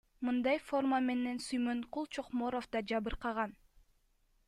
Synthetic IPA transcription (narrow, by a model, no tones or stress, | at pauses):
mɯnd̪ɑjfo̞rmame̞ne̞nsyjmønqʰulˠt͡ʃʰo̞qmo̞ɾofd̪ɑd͡ʒɑβɯɾqɑʁɑn